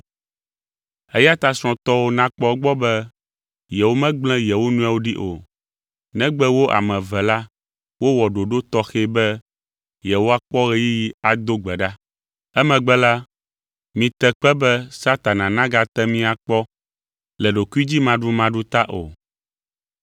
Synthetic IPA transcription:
ɛ˦ja˦t̪a˨sɔ̃˨t̪ɔ˦wo˦nã˦k͡pɔ˦ɡ͡bɔ˦bɛ˦ | jɛ˨wo˦mɛ̃˦ɡ͡blɛ̃˦jɛ˨wo˦nũ˦a˨wo˦ɖi˦ʔo̰˨ | nɛ̃˦ɡ͡bɛ˦wo˦ʔa̰˨mɛ̃˨vɛ˨la˦ | wo˦wɔ˨ɖo˨ɖo˦t̪ɔ˦xɛ˦bɛ˦ | jɛ˨wo˦a˦k͡pɔ˦ɣɛ˦ji˦ji˦a˨d̪o˦ɡ͡bɛ˨ɖa˦ | ɛ˦mɛ̃˨ɡ͡bɛ˦la˦ | mĩ˨t̪ɛ˨k͡pɛ˦bɛ˦sa˦t̪a˨nã˨nã˦ɡa˨t̪ɛ˦mĩ˦a˨k͡pɔ˦ | lɛ˨ɖo˨ku˦i˦d͡ʑi˦mã˨ɖɾu˦mã˨ɖu˦t̪a˦ʔo̰˨

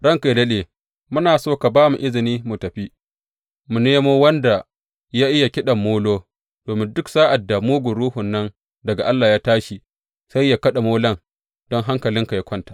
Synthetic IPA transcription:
ɽɐ˦ŋka˨jlɐ˦leː˨ | mʊ˦naː˨soː˦ka˨baː˦mu˨ʔɪ˦zɪ˨niː˦mu˨tɐ˨ɸi˦ | mu˨neː˦moː˦wɐ˦nda˨ | jaː˦ʔɪ˦ja˨kʲɪ˦ɗɐ˨mːoː˦loː˦ | d̥oː˨mɪ˦ndʊ˦ksaː˦ʔa˨dːa˨muː˦ɡʷʊ˨ɽuː˦hʊ˨nːɐ˦n | dɐ˨ɡa˨ʔa˦lːaː˨jaː˦taː˦ʃi˨ | sa˦jːa˦kɐ˦ɗa˨moː˦lɐ˦ŋ | d̥ɔ˦ŋɦa˦ŋkɐ˨lɪ˦ŋka˨ja˦kʷɐ˦ntḁ˨ʔ

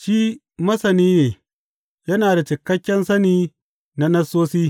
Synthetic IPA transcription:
ʃiː˦ | mɐ˦sɐ˨niː˦neː˨ | jɐ˦naː˨da˨t͡ʃɪ˨kːɐ˦kʲːɛ˦nsɐ˦niː˦ | na˦nɐ˦sːoː˦siː˦

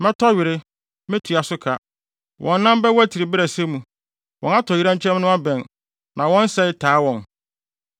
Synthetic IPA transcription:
mɛ̃˦tʰɔ˦ɥɪ˨ɾɪ˦ | mɪ̃˦tʰi˨a˨sʊ˦kʰa˨ | wʔɔ̃˨nː˦ã˦m˦bɛ˦wæ˦tʰi˨ɾɪ˨bɪ˦ɾæ˨sɛ˦mũ˨ | wɔ̃˨na˦tʰɔ˨i˦ɾã˦ɲ˦t͡ɕʰɛ̃˦m˦nʊ̃˦a˦bɛ̃˨n | nã˨wɔ̃˦n˦sɛ˦ɪ˦tʰaː˨˦wɔ̃˨n

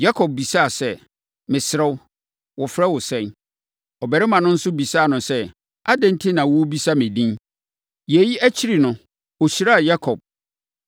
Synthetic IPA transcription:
ja˦kʰɔ˨b̚bi˨sa˦a˨sɛ˦ | mɪ̃˨sɪ˨ɾɛ˦w | wʊ˨fɾɛ˦wʊ˨sɛ̃˦n | ɔ˨bɛ˨ɾɪ˦mã˨nʊ̃˦n̩˦sʊ˦bi˨sa˦˨nʊ̃˨sɛ˦ | a˦dɛ̃˦n˦tʰɪ˦nã˨wbi˦sa˦mɪ̃˨dĩ˦n | jɛ˨ji˦ʔæ˦t͡ɕʰi˦ɾi˨nʊ̃˨ | o˨ɕi˨ɾa˦˨ja˦kʰɔ˨b̚

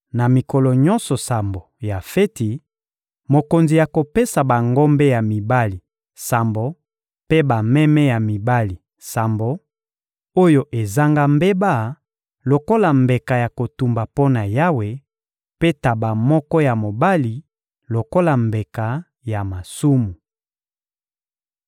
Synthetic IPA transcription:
na˨mi˨kɔ˨lɔ˨ɲɔ̃˦nsɔ˨sa˨mbo˨ja˨fe˦ti˨ | mo˨ko˨nzi˨ja˨ko˨pe˦sa˨ba˨ŋɡo˦mbe˦ja˨mi˨ba˦li˨ | sa˨mbo˨ | pe˦ba˨mɛ˦mɛ˦ja˨mi˨ba˦li˨ | sa˨mbo˨ | o˦jo˨ʔe˨za˦ŋɡa˦mbe˦ba˦˨ | lo˨ko˦la˨mbe˨ka˨ja˨ko˨tu˨mba˨po˦na˨ja˦we˨ | pe˦ta˨ba˨mɔ˦kɔ˦ja˨mo˨ba˦li˨ | lo˨ko˦la˨mbe˨ka˨ | ja˨ma˨su˦mu˨

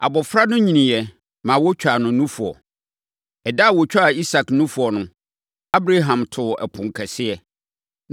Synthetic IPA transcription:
a̰˨bɔ˨fɾa˦nʊ̃˦ɲĩ˨nĩ˨jɛ˨ | mã˨wɔ˦t͡ɕᶣa˨nʊ̃˨˦nũ˦fʊ˨ɔ̰˨ | ɛ˨da˦˨wɔ˨t͡ɕᶣa˦a˨i˦sa˨knũ˦fʊ˨ɔ˨nʊ̃˦ | a˦bɾa˦ɦã˨mtʰʊ˨ɛ̰˨pʰʊ̃˨ŋ˨kʰɛ˨sɪ˦ɛ˨

